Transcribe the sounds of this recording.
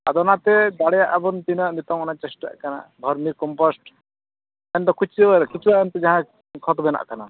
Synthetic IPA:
ad̪ɔnat̪ɛd̪aɽɛjaʔabɔnt̪inaʔmit̪ɔŋɔnat͡ʃɛsʈa̰ʔkana̰b̪ʱɔɾmiɾkɔmpɔsʈ | ɛnd̪ɔkʰut͡ʃʰiɔaɾɛkit͡ʃʰuwaʔɛnt̪ɛd͡ʒaɦã | kʰɔt̪bɛna̰ʔkana

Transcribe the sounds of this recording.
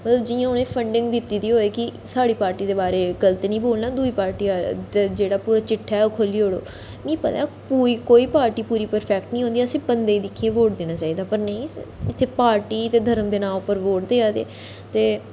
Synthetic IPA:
mət̪ləbd͡ʒɪːjãːʊnẽːpʰəɳɖɪ̃ŋɡd̪ɪt̪ːiːd̪iːɦoːeːkɪsaːɽiːpaːɾʈiːd̪eːbaːɾeːɡəlt̪iːnĩːboːlnaːd̪uːiːpaːɾʈiːad̪d͡ʒeːɽaːpuːɾaːt͡ʃɪʈʰːɛːɛoːkʰoːliːɦoːɽoː | mĩːpət̪ãpuːiːkoːiːpaːɾʈiːpuːɾiːpəɾpʰɛːk̚ʈnĩːɦõnd̪iːəsĩːbənd̪eːiːd̪ɪkʰiẽːʋoːʈd̪eːñaːt͡ʃaːiːd̪aːpəɾnəĩːɪt̪ʰːeːpaːɾʈiːt̪eːd̪ʱəɾəmd̪eːnãːʊpːəɾʋoːʈ̚d̪eːaːd̪ḛː | t̪eː

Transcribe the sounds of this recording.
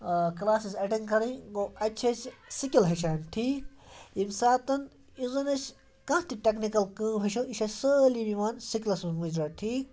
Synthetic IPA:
klaːsisɐʈiŋɡkɐɾɐ̃ɡoːɐt͡ʃʰɐssikʲilɦɐʃ̬aːnʈʰiːk̚imsaːt̪ɐn | izɐnɐs | kɐ̃t̪iʈeknikɐlkɐ̃ːbɦɐʃʰoiʃɐsəːlibiʋaːnsikʲlɐsumud͡ʒɾɐʈʰiːk̚

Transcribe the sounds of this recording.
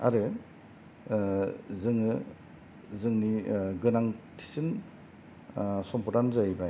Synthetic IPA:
a̰ɾɯ | zɯŋɯ | zɯŋniɡɯnaŋtʰi̥sin | sɔmpɔtanzajba

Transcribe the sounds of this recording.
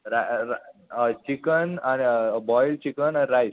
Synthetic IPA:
ɾaɾat͡ɕikənanibɔjlt͡ɕikənaiɾais

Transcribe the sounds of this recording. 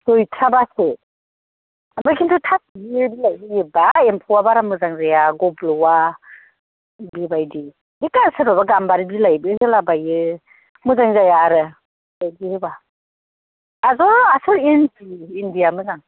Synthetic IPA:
sɔjtʰɾabase | ambɯkʰintʰutʰasibiɯbilajbɯjɯbaempʰɔwabaɾamɯzaŋzajaɡɔblɯwa | bibajdi | dikasɯɾɔbaɡambaɾibilajbɯhɯlabajɯ | mɯzaŋzajaɾɯ | dajdihɯba | azɔasɯɾinpiːndijamɯzaŋ

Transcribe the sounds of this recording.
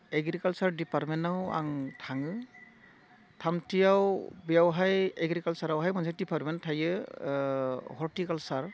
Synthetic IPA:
eɡɾikalsaɾdipaɾmenawa̰ŋtʰaŋɯ | tʰamtʰijawbijawɦajeɡɾikalsaɾawɦajmɔnzʱadipaɾmentʰajɯ | hɔɾtikalsaɾ

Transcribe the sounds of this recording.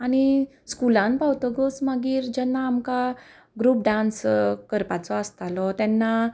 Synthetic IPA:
aɽ̃i | skulãnpawt̪əɡəsməɡiːɾd͡ʑɛnːaːmka | ɡɾuːp̚ɖãnskəɾpat͡sɔəst̪alɔt̪ɛnːa

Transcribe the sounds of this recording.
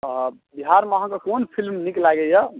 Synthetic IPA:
biɦaɾmeəɦãkekonpʰilmniklaɡɛja

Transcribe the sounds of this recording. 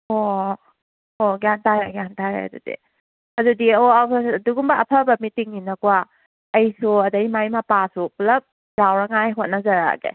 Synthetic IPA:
o | oɡantaɾaɡjantaɾḛa̰dṵdḭ | ɐdudioduɡumbaɐpʰabɐmitiŋninakua | ɐjsuɐdɐjmajmapasuplɐp̚ | jawɾaŋajɦot̚nɐzaɾa̰ɡḛ

